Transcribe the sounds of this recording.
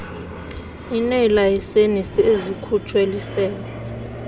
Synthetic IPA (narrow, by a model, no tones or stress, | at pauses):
inɛlajisenisiezikʰut͡ʃʰʼwelisɛːlɛ